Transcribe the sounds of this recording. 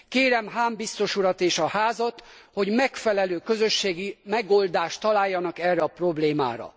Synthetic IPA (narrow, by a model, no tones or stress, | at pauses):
keːɾɛmɦaːmbist̪o̞ʃuɾɒt̪eːʃɒhaːzɒt̪ho̞ɟmɛkfɛlɛløːkø̞zø̞ʃːeːɡimɛɡo̞ːld̪aːʃt̪ːɒlaːjːɒnɒkɛrːɛɒpro̞bleːma̰ːɾɒ̰